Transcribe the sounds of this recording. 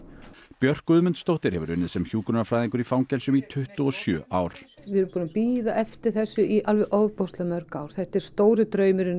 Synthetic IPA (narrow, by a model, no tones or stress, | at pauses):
pjœr̥kʏðmʏnt̪st̪owht̪ɪɾ̥hɛvʏ̰ɾʏnːɪðsɛmçuːkʏnʏnafɾajðiŋkʏɾifawŋcɛlsʏmit̪ʰʏht̪uɔsjœ̰ːʔaːwɾ̥vɪɛɾʏmpuːnapiːðaʔɛft̪ɪɾ̥θɛsːʏialvɛʔɔvpowst̪lɛamœɾ̥kaːwɾ̥θɛht̪ɛɾ̥st̪oːwɾɪt̪ɾœːɥmɪɾʏn